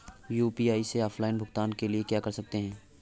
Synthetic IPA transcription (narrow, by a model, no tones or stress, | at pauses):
juːpiːaːiseɔːfʰlaːɪnbʱʊɡt̪aːnkeliekjaːkɐɾsɐk̚t̪eɦɛ̃ː